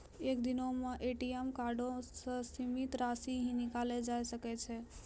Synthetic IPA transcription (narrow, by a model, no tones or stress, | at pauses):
ekd̪ɪnomə̃ʔeʈiemkaɾɖosəsimit̪ɾasiɦĩnɪkaled͡ʒajsəket͡ʃʰe